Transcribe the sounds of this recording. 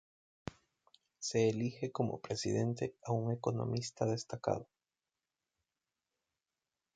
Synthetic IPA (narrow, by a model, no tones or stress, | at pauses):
seːlixekomo̰pɾesḭðent̪eauŋekonõ̰mist̪aðest̪aka̰ðo